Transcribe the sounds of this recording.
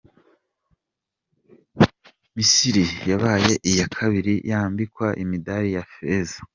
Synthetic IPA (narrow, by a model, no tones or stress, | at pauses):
misiɾijaβaːje̞ʔijakʰaβiɾijaːmbikwaʔimidaɾijafezḁ